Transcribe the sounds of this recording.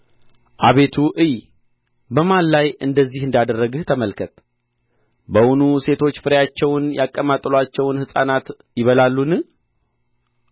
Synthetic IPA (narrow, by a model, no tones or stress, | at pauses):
ʔaβe̞t̪ʰuʔɨj | bəmalːajɨnd̪əzːihɨnd̪ad̪ərːəɡɨht̪ʰəməlkʰət̪ | bəwʊnuse̞t̪ʰo̞t͡ʃːfɨɾjat͡ʃːɛwnjakʼːəmat̪ʼlat͡ʃːɛwnhɨsʼa̰nat̪ | jɪβəlalːun